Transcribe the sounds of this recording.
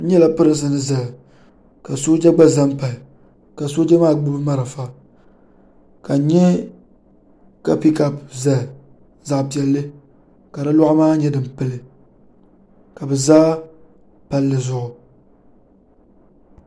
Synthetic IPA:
n̩˦ɲɛ˦la˦pɨ˦ɾɨ˨ns̬ɨ˨nɨ˦za˨ | ka˨soː˦d͡ʒa˦ɡ͡ba˦za˦m˦pa˨lɪ˨ | ka˨so˦d͡ʒa˦maː˦ɡ͡bɨ˦bɨ˦ma˦ɾa˨fa˦ | ka˨˦ɲɛ˦ | ka˨pi˦ka˨pza˦˨ | za˨ʔpi˨ɛ˨lːɨ˦ | ka˨dɨ˦lɔ˦ʔʊ˦maː˦ɲɛ˦dɨ˨m˨pɨ˦˨lɨ˦ | ka˨bɛ˨zaː˦ | pa˨lːɨ˨zʊ˨ʔʊ˨

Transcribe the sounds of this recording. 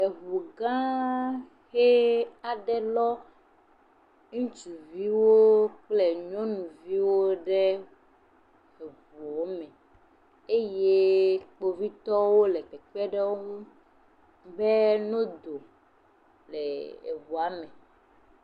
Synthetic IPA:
e˨ɣu˨ɡã˦ | xe˦a˨ɖɛ˦lɔ˦ | ŋũ˦t͡ʃu˨vi˦wo˦k͡ple˦ɲɔ̃˦nũ˨vi˦wo˦ɖɛ˦ | e˨vu˨o˦mɛ̃˨ | e˦je˦k͡po˨vi˦t̪ɔ˦wo˦lɛ˨k͡pɛ˨k͡pɛ˦ɖɛ˦wo˦ŋũ˦ | bɛ˦nõ˦d̪o˨ | lɛ˨ḛ˨βu˨a˨˦mɛ˨

